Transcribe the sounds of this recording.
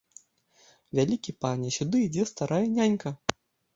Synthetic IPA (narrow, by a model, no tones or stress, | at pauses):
vʲalʲikʲipanʲɛsʲud̪ɨid͡zʲɛst̪aɾajɛnʲanʲkɐ